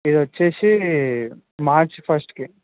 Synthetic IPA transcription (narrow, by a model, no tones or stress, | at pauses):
id̪ɐt͡ʃːeːʃi | maːɾt͡ʃpʰɐsʈki